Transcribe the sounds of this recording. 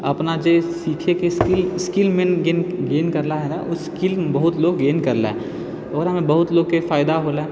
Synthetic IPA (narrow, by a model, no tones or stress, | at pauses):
ɐpnad͡ʒesiːkʰekeskɪlskɪlmẽnɡeːnɡeːnkɐɾlaɦɛnaʔʊskɪlbɐɦʊt̪loːɡːeːnkɐɾla̰ɦɛ | ɐɡəɾɦɐmẽbɐɦʊt̪loːɡ̚kefaːɪd̪aɦoːlaɛ